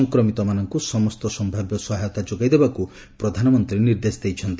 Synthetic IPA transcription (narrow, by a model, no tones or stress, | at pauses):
ɔŋkɾɔmit̪ɔmanɔŋkusɔmɔst̪ɔsɔmbʱabjɔsɔɦajɔt̪ad͡ʒoɡajd̪ebaku | pɾɔd̪ʱanɔmɔnt̪ɾiniɾd̪esd̪ejt͡ʃʰɔnt̪i